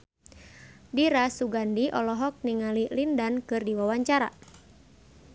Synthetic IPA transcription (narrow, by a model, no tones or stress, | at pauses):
diɾasuɡandiʔɔlɔɦɔk̚niŋalilindankɨrdiwawaɲt͡ʃaɾa̰